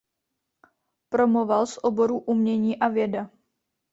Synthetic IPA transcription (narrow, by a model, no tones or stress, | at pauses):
pɾo̞movalsʔo̞bo̞ɾuʔumɲɛɲiːʔavjɛda